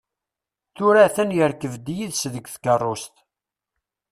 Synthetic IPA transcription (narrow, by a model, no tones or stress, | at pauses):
θʊɾæθənjəɾkəvd̪jiðsðəɡʷθkərˤːost̪